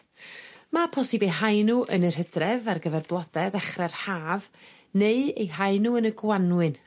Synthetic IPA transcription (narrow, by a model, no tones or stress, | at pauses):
mapʰɔsɨbejɦajnuʔənər̥hədrɛvarɡəvɛrblˠɔd̥ɛdɛχrɛrhaːv | neɨejɦajnuənəɡwanwɨn